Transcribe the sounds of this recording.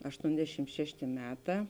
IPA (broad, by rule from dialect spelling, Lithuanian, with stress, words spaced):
ɐʃˈtoːnʲdʲɛʃʲɪm ˈʃʲæːʃʲtʲeː ˈmʲæːˌtɑː